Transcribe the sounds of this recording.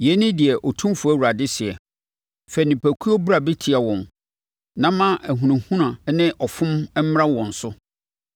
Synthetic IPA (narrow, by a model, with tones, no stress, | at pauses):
jɛ˨˦nɪ̃˦dɪ˨ɛ˨ʔɔ˨tʰũ˦mfʊ˨æ˦wu˨ɾa˨dɪ˦sɪ˨ɛ˨ | fɛ˨nɪ̃˨pʰæ˨kʰu˦o˦bu˦ɾa˨bɪ˦tʰɪ˨a˨wɔ̃˨n | nã˦mã˦ʔæ˨ɦũ˨nĩ˨hũ˦nã˨˦nɪ̃˦ʔɔ˨fʊ̃˦m˦m̩˦m˦ɾã˦wɔ̃˨n̩˨sʊ˦